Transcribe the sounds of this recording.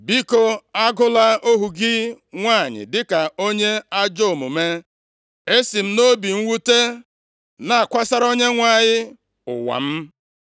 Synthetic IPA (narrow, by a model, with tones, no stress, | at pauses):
bi˦ko˦a˦ɡʊ˦la˦o˦ɦu˨ɡɪ˦ | ŋʷa˦˨ɲɪ̰˨dɪ˦ka˨o˦ɲe˦a˦d͡ʒo˦˨mʊ˨me˦ | e˦si˨m̩˦no˦bi˨ŋ̩˦wu˦te˦ | na˨a˨kʷa˦sa˦ɾo˦ɲe˦ŋʷa˨ɲɪ˦ | ʊ̰˨wa̰˨m̩˦